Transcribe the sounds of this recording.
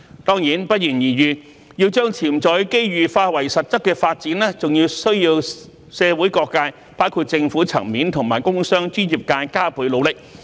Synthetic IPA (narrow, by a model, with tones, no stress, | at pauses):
t̪ɔː˥ŋjiː˨˥npɐ˥t̚jiː˨˩njiː˨˩jyː˨˩ | jiː˧wt͡ʃœː˥ŋt͡sʰiː˨˩mt͡sɔː˨˥jke˥jɥyː˨faː˧t̚wɐ˨˩jsɐ˨t̚t͡sɐ˥kːɛː˧faː˧t̚t͡siː˨˥nlɛː˥t͡sʊ˨ŋjiː˧wsɵ˥ɥjiː˧w | sɛː˨˧wuː˨˥jkɔː˧kːaː˧j | paː˥wkʰuː˧t̚t͡sɪ˧ŋfuː˨˥t͡sʰɐ̰˨˩ŋmiː˨˥nt̪ʰʊ˨˩ŋmaː˨˩jkʊ˥ŋsœː˥ŋt͡ʃyː˥njiː˨p̚kaː˧jkaː˥pʰuː˨˥jlo˨˧wlɪ˨k̚